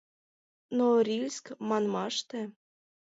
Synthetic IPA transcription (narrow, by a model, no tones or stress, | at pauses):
noɾʲilʲskmɑnmɑʃt̪ĕ